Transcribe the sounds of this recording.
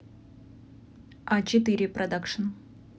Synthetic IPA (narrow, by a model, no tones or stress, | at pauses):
at͡ɕɪt̪ɨɾʲɪpɾɐd̪akʂən